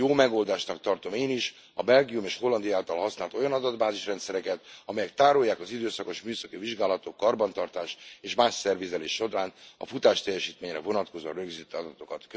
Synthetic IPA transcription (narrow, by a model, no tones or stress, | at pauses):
joːmɛɡo̞ːld̪aːʃnɒk̚t̪ɒrt̪o̞meːniʃ | ɒbɛlɡijumeːʃho̞lːɒnd̪ijaːlt̪ɒlɦɒsnaːlt̪o̞jɒnɒd̪ɒd̪baːziʃrɛnt̪sɛɾɛkɛt̪ɒmɛjɛk̚t̪aːɾojːaːkɒzid̪øːsɒko̞ʃmyːsɒkiviʒɡaːlɒt̪o̞kːɒrbɒnt̪ɒrt̪aːʃeːʃmaːʃsɛrvizɛleːʃo̞d̪aːnɒ̰fut̪aːʃt̪ɛjːɛʃiːt̪meːɲrɛ̰vo̞nɒt̪ko̞zo̰rø̞ɡzit̪ːɒd̪ɒt̪o̞kɒt̪k